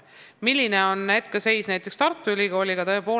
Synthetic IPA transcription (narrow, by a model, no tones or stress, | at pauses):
milʲːine̞o̞nːæt̪kɑse̞jsnæjt̪ːˑe̞kst̪ɑrt̪ːˑuylʲiɡo̞ːlʲiɡ̥ɑt̪ɤ̞epo̞ː